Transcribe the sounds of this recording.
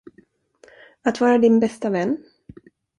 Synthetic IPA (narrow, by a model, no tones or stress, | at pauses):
at̪vɑːɾad̪ɪnbɛst̪avɛnː